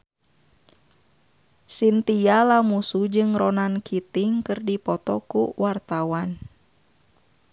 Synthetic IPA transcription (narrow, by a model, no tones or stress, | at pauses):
sint̪ialamusud͡ʒɨŋɾɔnankit̪iŋkɨrdipɔt̪ɔkṵwart̪awan